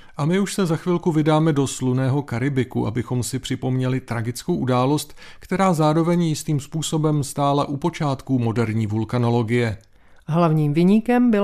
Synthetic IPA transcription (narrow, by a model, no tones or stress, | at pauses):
ʔamɪuʃsɛzaxvɪlkuvɪdaːmɛdo̞slunɛːɦo̞kaɾɪbɪkṵʔa̰bɪxo̞msɪpr̝̥ɪpo̞mɲɛlɪt̪ɾaɡɪt͡skowʔudaːlo̞st̪kt̪ɛɾaːzaːɾo̞vɛɲjɪst̪iːmspuːso̞bɛmst̪aːlaʔupo̞t͡ʃaːt̪kumo̞dɛɾɲiːvulkano̞lo̞ɡɪjɛ | ɦlavɲiːmvɪɲikɛmbɪ